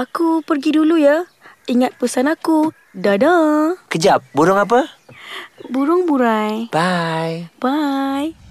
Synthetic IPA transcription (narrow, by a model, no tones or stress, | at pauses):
akupərɡiduluja | iŋat̪̚pəsanaku | dadakəd͡ʒap̚buɾʊŋap̬ə | buɾʊŋbuɾajb̥ajb̥aj